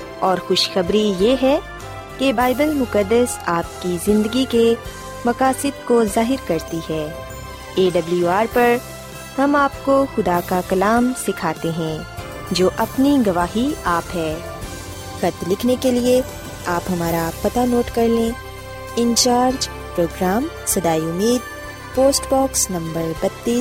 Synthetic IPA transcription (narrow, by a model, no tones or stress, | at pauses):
ɔːɾxʊʃxɐbɾijeːɦɛ | kebaːɪbəlmʊkəd̪ːəsaːp̚kizɪ̃nd̪əɡike | mɐkaːsɪd̪kozaːɦɪɾkɐɾt̪iɦɛː | eːɖɐbljuaːɾpɐɾ | hɐmaːp̚koxʊd̪akakɐlaːmsɪkʰaːt̪eɦɛ̃ː | d͡ʒoːʔɐpniɡɐʋaːɦiaːpɦɛː | xɐt̪lɪkʰnekelie | aːpɦɐmaːɾapɐt̪anoːʈkɐɾlẽː | ɪ̃nt͡ʃaːɾd͡ʒ | pɾoːɡɾaːm | sɐd̪aːiʊmiːd̪̚ | poːsʈbɔːksnɐ̃mbəɾbɐt̪ːiː